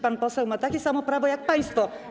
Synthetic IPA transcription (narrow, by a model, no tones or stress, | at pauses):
panpɔsɛwmat̪akʲisamɔpɾavɔjak̚paj̃nst̪fɔ